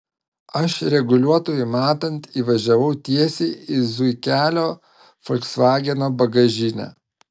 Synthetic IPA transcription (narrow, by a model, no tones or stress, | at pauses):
ɐʃɾʲɛɡʊlʲuɔt̪oːjʊmɑːt̪ɐnʲt̪iːʋɐʒʲɛʋɐʊt̪ʲiɛsʲiːɪzʊɪkʲæːlʲoː | fɔlʲksʋɑːɡʲɛnoːbɐɡɐʒʲɪnʲæ̰ː